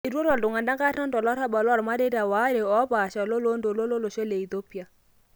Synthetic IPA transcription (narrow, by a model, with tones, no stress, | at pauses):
i˨ɾwo˦ɾɔ˨ldʊ˨ŋa˨nda˦ɡa˦tɔ˦ndɔ˨lɔ˦ɾa˦bɔ˨lɔ˦˨ɾma˦de˦da˨wa˨˦ɾe˨ɔ˨˦ba˨ʃɔ˨lo˦lo˦ndo˨lo˦lo˦lo˨ʃe˦le˨i˨to˦pi˦a˨